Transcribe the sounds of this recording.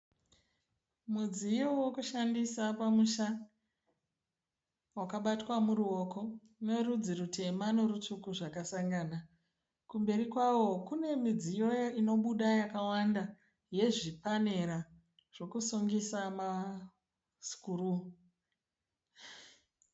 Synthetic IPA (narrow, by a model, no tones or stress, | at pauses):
mud͡zijowokuʃandisapamuʃa | wakaɓatwamuɾuo̞ko̞ | ne̞rud͡zirutʰe̞manorutukuʐakasaŋɡana | kumbe̞ɾikwawo̞kune̞mid͡zijo̞joino̞ɓuɗajakawanda | je̞ʐipane̞ɾa | ʐ̥o̞kusuŋɡisama | su̥kuru